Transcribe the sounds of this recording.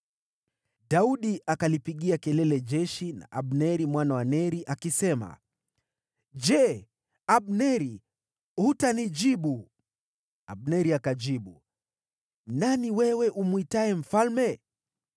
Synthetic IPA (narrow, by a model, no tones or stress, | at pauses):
ɗauɗiakalipiɠiakɛlɛlɛʄɛʃina̰ʔaɓnɛɾimwanawanɛɾiʔakisɛma̰ | d͡ʒɛ | aɓnɛɾi | hutanid͡ʒiɓu | a̰ɓ̚nɛɾiakad͡ʒiɓu | naniwɛwɛʔumuitaɛm̩falmɛ